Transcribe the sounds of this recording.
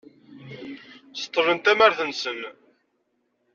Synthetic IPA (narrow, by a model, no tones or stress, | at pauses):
sə̥t̪ˤːəɾənt̪æmæɾθənsən